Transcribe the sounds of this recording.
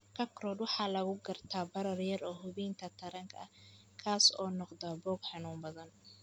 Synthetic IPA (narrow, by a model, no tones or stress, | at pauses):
kʰɐkrɔːd̪wɑħɑːlɐɣʊɡɐrt̪ʰaːbɐɾɐrjɐrɔːɦʊβiːnk̪ʰɐt̪ʰɐɾɐŋkʰɐɐ̰ | kʰaːsɔ̰ːnɔqd̪abɔːɡħɑnuːmbɐðɐn